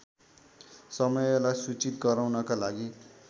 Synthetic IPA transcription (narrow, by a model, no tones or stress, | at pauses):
sʌmʌjlajsut͡sit̪ɡʌɾawnʌkalaɡi